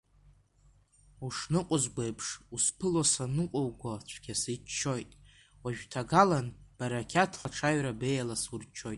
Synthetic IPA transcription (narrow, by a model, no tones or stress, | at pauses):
uʂnɨqʷʼʊzɡʷejpʰʂuspʰɨlosanɨqʷʼowɡʷat͡ɕʷʰɡʲasit͡ʃt͡ʃːo̞jtʼ | waʒᶣtʰaɡalanb̥aɾakʲʰatʰχaʈ͡ʂʰaɥɾabe̞jalasurt͡ʃʰːo̞jtʼ